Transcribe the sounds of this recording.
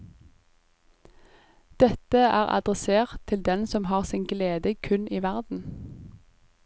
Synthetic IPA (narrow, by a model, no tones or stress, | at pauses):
d̪̥ɛt̪əʔæːʁɑ̰d̪ʁɛseːʁt̪ʰːɪld̪ɛnsɔmhɑːʁsɪːnɡleːd̪əkʰʉniːʋæʁd̪n̩